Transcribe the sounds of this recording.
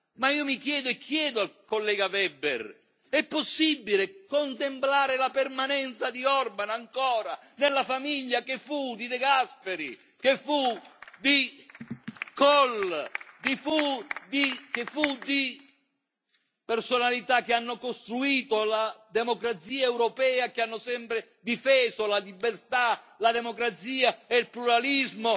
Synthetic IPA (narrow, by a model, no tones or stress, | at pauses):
maiːomikjɛːd̪ʊɛkʰːjɛːd̪ʊalkolːɛːɡavɛbːɛ̰ɾ | ɛpːosːibːilekont̪emplaːɾɪlapɛrmanɛnt̪sad̪iɔrbanaŋkɔːɾa | nelːafamiʎːakefud̪id̪ɛɡaspɛɾi | kefud̪i | kɔld̪ifud̪ik̟efud̪i | pɛrsonalit̪akːɪanːʊkost̪ɾuiːt̪olad̪emokɾat̪siːaɛwɾɔpɛːakeanːʊsɛmpɾɪ | d̪ifɛːzolalibːɛrt̪a | lad̪ɛmokɾat̪siːaɛilpluɾalizmo